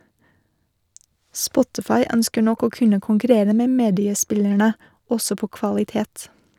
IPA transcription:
ˈspɔtɪfɑɪ ˈœnskəɾ ˈnɔk ˈoː ˈkʉnə kʊŋkʉˈɾeːɾə ˈmeː ˈmeːdɪəˌspɪlæɳə ˈɔsɔ ˈpoː kʋɑlɪˈteːt

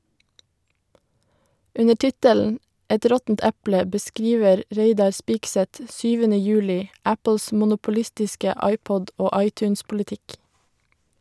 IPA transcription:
ˈʉnə ˈʈɪtəln̩ ˈɛt ˈɾɔtn̩t ˈæplə bəˈskɾiːʋəɾ ˈɹeɪdɑɾ ˈspiːksɛt ˈʃyːʋənə ˈjʉːlɪ ˈæpl̩s ˌmʊnʊpʊˈlɪstɪskə ˈɑɪˌpɔd ˈoː ˈɑɪˌtʉːnspʊlɪˌtɪk

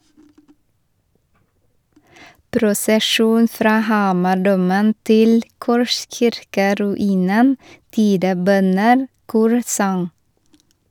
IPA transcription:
pɾʊsəˈʃuːn ˈfɾɑː ˈhɑːmɑˌɖuːmən ˈtɪl ˈkɔʃçɪɾkəɾʉˌiːnən ˈtiːdəˌbœnən ˈkuːɾsɑŋ

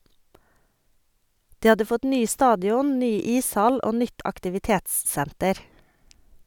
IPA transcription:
ˈdiː ˈhɑdə ˈfɔt ˈnyː ˈstɑːdɪɔn ˈnyː ˈiːsˌhɑl ˈoː ˈnʏt ɑktɪʋɪˈteːtsˌsæntəɾ

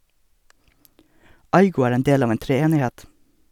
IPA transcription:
ˈɑɪɡʊ ˈæːɾ ˈeːn ˈdeːl ˈɑːʋ ˈeːn tɾɛˈeːnɪˌhɛt

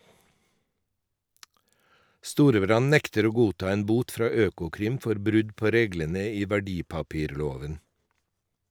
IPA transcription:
ˈstuːɾəˌbɾɑn ˈnɛktəɾ ˈoː ˈɡuːˌtɑː ˈeːn ˈbuːt ˈfɾɑː ˈøːkʊˌkɾɪm ˈfɔɾ ˈbɾʉd ˈpoː ˈɾeːɡlənə ˈiː ʋæˈɖiːpɑˌpiːɾˌloːʋən

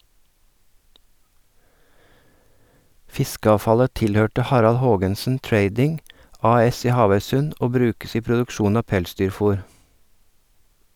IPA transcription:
ˈfɪskəɑːfɑlə ˈtɪlhøːʈə ˈhɑɾɑl ˈhoːɡənsn̩ ˈtɹeɪdɪŋ ˈɑːˌɛs ˈiː ˈhɑːʋœʏsʉn ˈoː ˈbɾʉːkəs ˈiː pɾʊdʉkˈʃuːn ˈɑː ˈpɛlˌsdyːɾˌfʊɾ

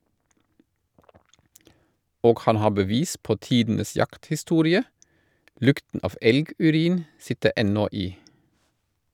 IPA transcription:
ˈoːɡ ˈhɑn ˈhɑː bəˈʋiːs ˈpoː ˈtiːdn̩əs ˈjɑkthɪˌstuːɾɪə ˈlʉktn̩ ˈɑːf ˈɛlɡʉˌɾiːn ˈsɪtə ˈɛnɔ ˈiː

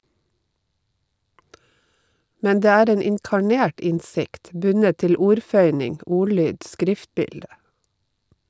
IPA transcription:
ˈmæn ˈdeː ˈæːɾ ˈeːn ɪŋkɑˈɳeːʈ ˈɪnsɪkt ˈbʉnət ˈtɪl ˈuːɾˌfœʏnɪŋ ˈʊˌɭyːd ˈskɾɪftˌbɪldə

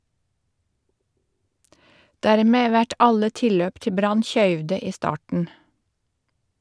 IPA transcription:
ˈdæːɾmeː ˈʋæʈ ˈɑlə ˈtɪlløːp ˈtɪ ˈbɾɑn ˈçœʏʋdə ˈiː ˈstɑːʈən

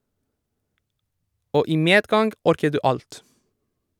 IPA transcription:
ˈoː ˈiː ˈmeːdˌɡɑŋɡ ˈɔɾkə ˈdʉː ˈɑlt

